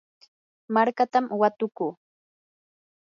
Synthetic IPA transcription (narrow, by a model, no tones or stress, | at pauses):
maɾkat̪amwat̪ʊkuː